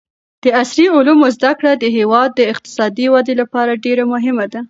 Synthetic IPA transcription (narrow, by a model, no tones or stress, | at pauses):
d̪̥əasɾiʊlumozd̪akɽad̪əɦewɑd̪̚ːəɪq̚t̪ɪ̥sɑd̪iwad̪elapɑɾaɖeɾamʊɦɪmad̪a